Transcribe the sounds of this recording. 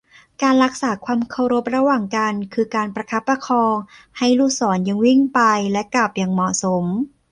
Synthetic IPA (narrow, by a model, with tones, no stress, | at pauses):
kaː˧nɾa˦˥k̚saː˩˦kʰwaː˧mkʰa˧˥˩wɾo˦˥p̚ɾa˧waː˨˩ŋka˧nkʰɯː˧kaː˧npɾa˧kʰa˦˥pːɾa˧kʰɔː˧ŋha˥˩jluː˥˩k̚sɔː˩˦nja˧ŋwi˥˩ŋpa˧jlɛ˦˥kla˨˩p̚jaː˨˩ŋmɔ˨˩so˩˦m